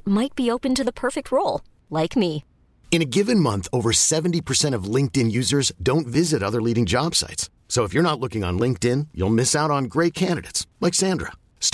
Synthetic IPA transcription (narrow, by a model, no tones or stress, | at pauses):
maɪt̚b̥ioʊpɨ̃ntɨðəpʰɜ˞fɨk̚t̚ʰɹoʊlˠ | laɪkmi | ɨ̃ñɨɡɪvɨ̃nmʌ̃nθoʊvə˞sɛvn̩tipʰə˞sɛ̃ɾ̃ʌvlɪ̃ŋk̚tɪ̃njʉzə˞zdõʊ̃ntvɪzɨɾʌðə˞liɾɪ̃ŋd͡ʒɑb̥sa̰ɪtsːoʊəfjə˞ñətˡlʊkɪ̃ŋə̰̃nlɪ̃ŋk̚tɪ̃njṵlˠmɪsaʊɾn̩ɡɹeɪt̚kʰæ̃ndɨɾeɪtslaɪksæ̃ndɹə̰ | st